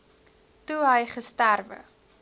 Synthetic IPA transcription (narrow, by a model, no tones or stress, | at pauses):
tuɦəjχəstærvə̰